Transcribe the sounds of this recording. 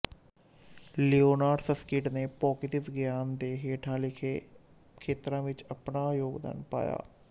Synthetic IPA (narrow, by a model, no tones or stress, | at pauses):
lioːnaːɖsəskɪʈneːpɔːkɪt̪ɪʋɪɡjaːnd̪eːɦeːʈʰãːlɪkʰeː | kʰeːt̪ɾãːʋɪt͡ʃəpnaːjoːɡd̪ə̰npa̰ːja̰ː